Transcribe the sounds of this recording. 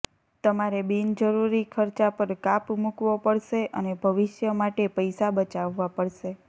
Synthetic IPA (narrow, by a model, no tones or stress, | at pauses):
t̪əmaɾebind͡ʒəɾuɾikʰəɾt͡ʃapəɾkapmukʋopəɽʃeʔənebʱəʋɪʃjəmaʈepəjsabət͡ʃaʋːapəɽʃe